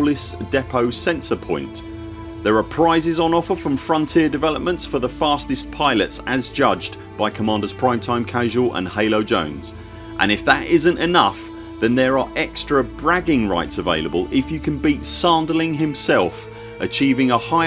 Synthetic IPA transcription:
lɪsd̥ɛpʰəʊsɛ̃nsəpʰɔ̰̃ɪ̃nʔ | ðəɹəpʰɹ̥aɪzɪzn̩ɒfəfɹə̃ɱfɹʌ̃ntʰɪədɪvɛləp̚mə̃ntsfəðəfɑˑstɪspʰaɪlətsəzd͡ʒʌd͡ʒ | b̥aɪkʰəmɑ̃ːˑndəz̥pʰɹ̥ãɪ̃mtʰãɪ̃mkʰaʒəlˠə̰̃nheɪləʊd͡ʒə̰̃ʊ̃nz̥ | ʔə̰̃ñɪfðətɪzə̃ntɪnʌ̰f | ðə̃nðəɹəɹʔɛkstɹ̥əbɹaɡɪ̃ŋɹa̰ɪtsəveɪləbəlˠɪfjəkʰə̃nbiˑtsɑ̃ˑndəlɪ̃ŋɦɪ̃msɛlˠf | ʔət͡ʃʰiːvɪ̃ŋəhaɪ

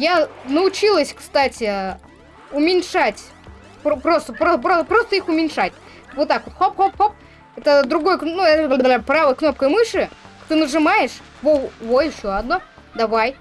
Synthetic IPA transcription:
janəʊt͡ɕilˠəsʲkst̪atʲɪ | ʊmʲɪnʲʂatʲ | pɾopɾost̪əpɾopɾopɾost̪əixʊmʲɪnʲʂatʲ | vot̪ːakvot̪xopxopxop̚ | ɛt̪əd̪ɾʊɡo̞jəknuɛt̪əbald̪ɾʲapɾavəjkno̞p̚kəjmɨʂɨt̪ɨnəʐɨmajɪʂ | vovojɪɕːoɐd̪no̞ | d̪ɐvaj

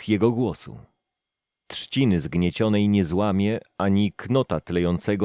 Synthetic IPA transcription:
jɛɡɔɡwɔsṵ | t̪ʂt͡ɕinɘzɡɲɛt͡ɕɔnɛjɲɛzwamʲjɛaɲiknɔt̪at̪lɛjɔnt̪sɛɡɔ

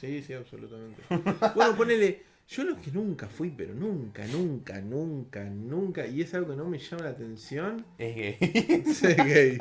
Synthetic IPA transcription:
sisiaβsolut̪amẽ̞nt̪ebwenoponele | ʒo̞lohkenũŋkafwipeɾo̞̰nũŋka̰nũŋka̰nũŋkanũŋkaie̞salɣo̞keno̞meʃamalat̪e̞nsjo̞neɣejseɣej

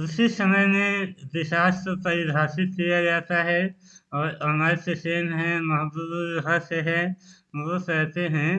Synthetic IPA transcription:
ʊsisəməjmeʋɪʃaːʃt̪ot̪ɐid̪ʱaːsɪt̪̚kijad͡ʒaːt̪aɦɛ | ɔːɾɐnaːseseːnɦɛ̃mɐɦəd̪əd̪ud͡ʒɦaseɦɛmɐd̪əsɾɛɦt̪eɦɛ̃ː

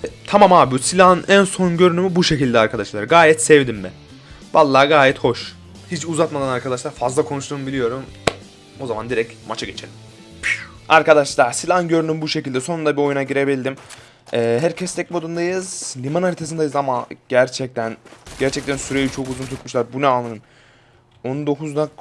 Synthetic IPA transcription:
t̪ʰamamaːbusilʲanænso̞nɟø̞ɾynymybuʃe̞cilʲd̪ɛaɾkʰad̪aʃlˠaɾɡaːjɛt̪sɛvd̪imbɛ | valˠːaːɡaːjɛt̪ho̞ʃ | hit͡ʃuzat̪mad̪anaɾkʰad̪aʃlˠaɾfazlˠakʰo̞nuʃt̪ʰuːmbilʲijo̞ɾum | o̞zamand̪iɾɛcmat͡ʃʰaɡe̞t͡ʃʰelʲim | aɾkad̪aʃlˠaɾsilʲanɟø̞ɾnymbuʃe̞cilʲd̪ɛsonund̪abio̞junaɟiɾebiilʲd̪im | ɛːɦæɾcʰɛst̪ʰɛc̚miod̪und̪ajɯzlʲimanalʲit̪ʰesind̪ajɯzamaɟ̥æɾt͡ʃʰɛc̚t̪ʰænɟæɾt͡ʃʰɛc̚t̪ʰænsyɾejit͡ʃʰo̞kuzunt̪ʰuk̪muʃlˠaɾbunɛalːˠanɯm | onund̪o̞kʰuzd̪ak

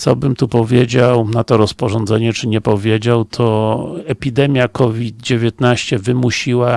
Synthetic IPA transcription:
t̪sɔbɘmt̪upɔvʲjed͡ʑawnat̪ɔɾɔspɔʐɔnd̪zɛɲɛt͡ʂɘɲɛpɔvʲjed͡ʑawt̪ʰɔɛpʲid̪ɛmʲjakʰɔvʲid̪̚d͡ʑevʲjet̪naɕt͡ɕɛvɘmuɕiwa

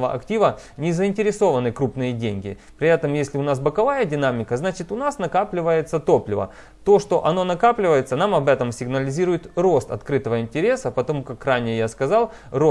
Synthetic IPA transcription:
vəʔɐ̰ktʲivənʲɪzəɪnʲtʲɪɾʲɪso̞vənɨkɾupnɨjədʲenʲɡʲɪ̰ | pɾʲɪɛt̪əmjesʲlʲɪʊnasbəkɐvajədʲɪnamʲɪkəznat͡ɕɪt̪ʊnasnɐkaplʲɪvəjɪt̪sət̪o̞plʲɪvə̰ | t̪o̞ʂt̪o̞ʔɐno̞nɐkaplʲɪvəjɪt̪sənamɐbɛt̪əmsʲɪɡnəlʲɪzʲiɾʊjɪt̪ro̞st̪ɐ̰t̪kɾɨt̪əvəɪnʲtʲɪɾʲe̞səpɐt̪ɐmukakranʲɪjjaskɐzɑlˠ | ro

